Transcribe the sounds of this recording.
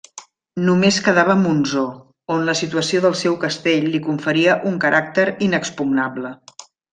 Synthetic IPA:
numeskəðaβəːmunzo | onləsit̪uəsioðəlˠsɛwkəst̪eʎlikuɱfəɾiəʔuŋkəɾʔak̚t̪əɾinəkspuɡnablə

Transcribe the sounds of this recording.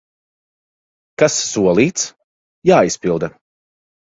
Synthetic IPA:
kasːuɔlˠiːt̪s | jaːispilˠd̪ɐ

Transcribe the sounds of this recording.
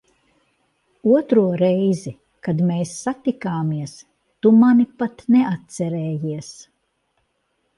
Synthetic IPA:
uɔt̪ɾuɔɾɛjzi | kad̪meːsːat̪ikaːmiɛs | t̪umanipat̪nɛat̪̚t̪sɛɾɛːjiɛs

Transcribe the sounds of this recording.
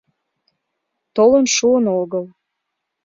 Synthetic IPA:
t̪olənʃuənoɣəl

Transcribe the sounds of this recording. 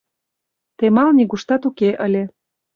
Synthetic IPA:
t̪emɑlniɣuʃt̪ɑt̪ukeʔəlʲe

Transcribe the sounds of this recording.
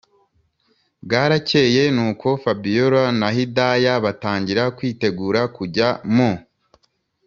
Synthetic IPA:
bɡaːɾace̞je̞nuːko̞fabijoɾanaɦidajaβataːɲɟiɾakwiːte̞ɡuːɾakuɟamo

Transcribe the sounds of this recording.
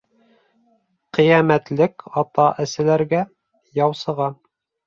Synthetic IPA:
qɤ̆jæmæt̪lɘkɑt̪ɑʔɘ̆sɘ̆læɾɡæ | jɑwsɤ̆ʁɑ

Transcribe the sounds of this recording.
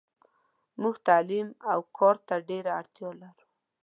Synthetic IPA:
muɡt̪alimawkʰɑɾt̪aɖeɾaaɽt̪jɑlaɾu

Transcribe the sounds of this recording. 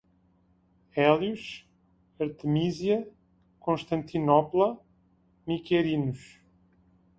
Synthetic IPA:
ɛlˠjuʃ | ɐɾt̪ɨmizjɐ | kõʃt̪ɐ̃nt̪inɔplˠɐ | mikɛɾinuʃ

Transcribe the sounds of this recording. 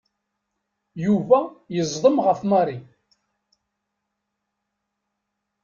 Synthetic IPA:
juvæjəzˤðˤəmʁəfmɑɾˤi

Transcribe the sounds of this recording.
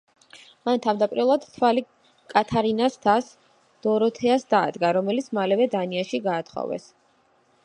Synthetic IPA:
mant̪ʰavmd̪apʼiɾɛlˠad̪t̪ʰwali | kʼat̪ʰaɾinast̪ʰas | d̪̥ɔɾɔt̪ʰɛasd̪a̰ːd̪ɡaɾɔmɛlit̪sʰmalɛvɛd̪aniaʃiɡaːt̪ʰχɔ̰vɛ̰s

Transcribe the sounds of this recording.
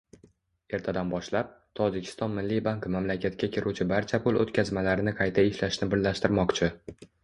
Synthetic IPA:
e̞ɾt̪ʰad̪anbɒʃlap̚t̪ʰɒd͡ʒɪkʲʰɪ̥st̪ɒnmɪlːibaŋkmamlakʲʰat̪̚kʲakʲʰɪɾut͡ʃʰɪbaɾt͡ʃʰapʰʊlˠo̰t̪kʲʰazmalaɾɪnɪqʰɑjt̪ʰaɪʃlaʃnɪbɪɾlaʃt̪ɪɾmɒqt͡ʃʰɪ

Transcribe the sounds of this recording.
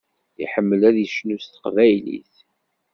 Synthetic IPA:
iħəmːəlæðjəʃnust̪ə̥qvæjlḭθ

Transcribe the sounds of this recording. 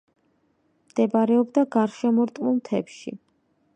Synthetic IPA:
md̪̥ɛbaɾɛɔbd̪aɡaɾʃɛmɔɾt̪ʼmulˠt̪ʰɛpʃḭ

